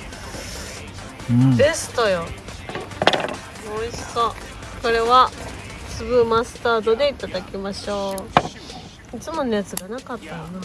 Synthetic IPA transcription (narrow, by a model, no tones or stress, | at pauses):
d̪e̞sɨ̥t̪o̞jo̞ | mo̞ːiso̞ | ko̞ɾe̞βa | sɨbɯ̟masɨ̥t̪aːd̪o̞d̪e̞it̪ad̪akʲimaɕo̞ː | it͡sɨmo̞njat͡sɨɡanakat̪ːajona